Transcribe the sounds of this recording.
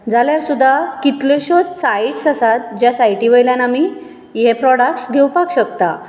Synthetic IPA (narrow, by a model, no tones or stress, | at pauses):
d͡zaljaɾsud̪ʱːakit̪leɕɔt͡ssajiʈsasat̪d͡ʑjasajʈiʋəjljanami | jepɾɔɽakʈsɡʱewpakɕəkt̪a